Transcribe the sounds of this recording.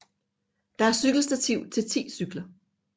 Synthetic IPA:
d̥ɑ̈æɐsyɡ̥l̩sd̥æt͡sʰiʊ̰t͡sʰe̝lt͡sʰḭːsyɡ̥lɐ

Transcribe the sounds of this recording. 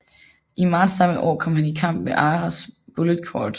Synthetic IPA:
ʔimɑ̈ːdsːɑ̈məʔɒ̰ːkʰɒ̽m̰hænikʰɑ̈m̰b̥̚meʔɑːʁɑsb̥oləðˠkʰɒ̰ːd̥

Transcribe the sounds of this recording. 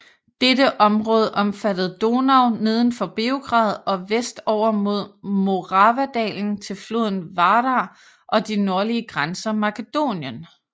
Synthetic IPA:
d̥eɾəʔɒ̽mʁɔ̽ːð̞ˠəʔɒ̽mfæd̥əð̞̩ˠd̥o̝nɑ̈ʊne̝ð̞ˠən̩fɒ̽b̥e̝oɡ̥ʁɑ̰̈ːð̞ˠɒ̽ʋesd̥ɒʊ̰ɐmo̝ð̞̰ˠmo̝ʁɑ̈ʋæd̥ɛ̰ːln̩t͡sʰe̝lflo̝ð̰ˠn̩ʋɑ̈ɾɑ | ʔɒ̽d̥ino̝ɐliəɡ̥ʁansɐmɑ̈kʰəd̥o̝̰ːnjən

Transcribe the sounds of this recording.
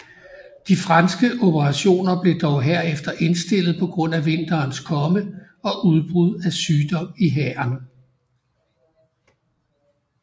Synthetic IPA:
d̥ifʁɑnsɡ̥əʔo̝pʰəʁɑ̈ɕo̝̰ːnɐb̥le̝d̥ɒʊɦeɐ̰efd̥ɐʔe̝nsd̥e̝l̰ð̩ˠpʰɒ̽ɡ̥ʁɔ̽n̰æʋe̝n̰d̥ɐːnskʰɒ̽mə | ɒ̽ʔuð̞ˠb̥ʁuð̞ˠæsyːd̥ɒ̽m̰iɦɛɑn

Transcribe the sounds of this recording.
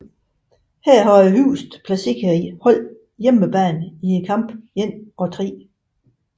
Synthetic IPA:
hæɐ̰ɦɒæɦyːsd̥pʰlæsiɡ̥ʰæihɒl̰ | jeməb̥ɛ̰ːnie̝nkʰɑ̈m̰b̥jen̰ɒ̽t͡sʰʁḭː

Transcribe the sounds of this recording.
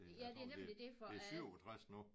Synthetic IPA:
ejæd̥e̝ænemlid̥e̝fɒesy̰ɒt͡sʰʁasno

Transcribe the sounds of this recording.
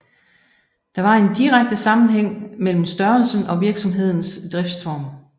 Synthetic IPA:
d̥ɑ̈ʋɑ̈e̝nd̥iʁaɡ̥̚d̥əsɑ̈mn̩ɦeŋ̰mel̰m̩sd̥ɶɐlsn̩ɒ̽ʋiɐɡ̥sɒ̽mɦe̝ð̞̰ˠn̩sd̥ʁɛfd̥sfɒːm

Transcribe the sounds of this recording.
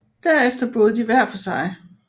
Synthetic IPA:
d̥æɐ̰efd̥ɐb̥ɔ̽ːð̞̩ˠd̥iʋæɐ̰fɒ̽sɑ̈ɪ

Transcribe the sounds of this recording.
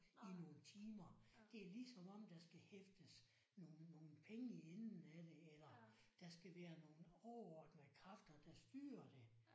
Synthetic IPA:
ino̝ːnət͡sʰiːmɐd̥e̝ɐlisɒ̽mɒ̽m̰d̥ɑ̈sɡ̥æhefd̥əs | nonːo̝ːn̩pʰeŋəennn̩æd̥e̝elɐd̥ɑ̈sɡ̥æʋæːɐno̝ːn̩ɒɒd̥mekʰʁɑfd̥ɐd̥ɑsd̥yːɐd̥e̝

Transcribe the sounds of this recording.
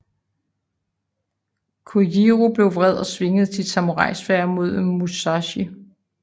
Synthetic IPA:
kʰojiʁub̥le̝ʊʋʁɛð̞̰ˠɒ̽sʋe̝ŋð̞̩ˠt͡sʰit͡sʰɑ̈moʁɑ̈ɪ̰sfæɐ̰mo̝ð̞ˠmusɑɕi

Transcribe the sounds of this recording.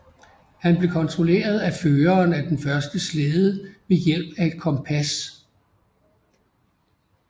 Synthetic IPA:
hænb̥le̝kʰɒ̽nt͡sʰʁo̝le̝̰ːɐð̞ˠæføːɐːnæd̥enfɶɐsd̥əsleːðˠəmejel̰b̥æe̝d̥̚kʰɒ̽mpʰæs

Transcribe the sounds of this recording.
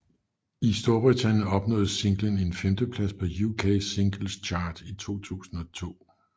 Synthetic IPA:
isd̥o̝ɐb̥ʁit͡sʰænjəɒ̽b̥nɔ̰̽ːðˠəse̝ŋɡ̥ləne̝nfemd̥əpʰlæspʰɒ̽jukʰese̝ŋɡ̥l̩st͡ɕʰɑ̈ːd̥it͡sʰo̝̰ːt͡sʰṵːsn̩ɒ̽t͡sʰo̝̰ː

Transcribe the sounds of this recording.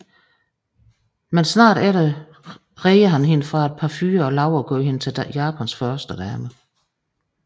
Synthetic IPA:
mensnɑ̰̈ːɾ̥æɾə | ʁeɪɐɦænɦe̝nəfʁɑ̈e̝d̥̚pʰɑ̈fyːɐɒ̽lɑ̈ʊɐɡ̥ɔ̰ːɦe̝nət͡sʰe̝ljɑ̈ːpʰænsfɶɐsd̥əd̥æmə

